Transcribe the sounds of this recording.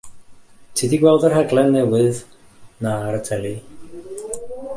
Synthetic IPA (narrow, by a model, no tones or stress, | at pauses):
tʰidiɡwɛlˠdərɦɛɡlˠɛnːɛwɨð | naaɾətʰɛli